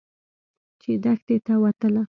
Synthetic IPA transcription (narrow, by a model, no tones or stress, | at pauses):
t͡ʃed̪axd̪et̪awat̪əla